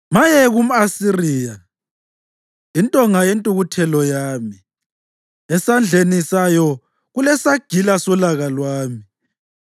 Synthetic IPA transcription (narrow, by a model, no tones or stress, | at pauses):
majɛɣum̩asirija | intʼɔŋajentʼuɣutʰɛlɔjaːmi | ɛsand͡ɮʱenisajɔ | ɣulɛsaɡ̥ʱilasɔlaɣalwaːmi